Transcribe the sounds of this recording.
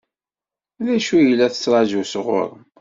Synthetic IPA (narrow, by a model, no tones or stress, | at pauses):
ðæʃujəlːæθə̥t͡sːɾˤɑd͡ʒusʁo̰ɾˤ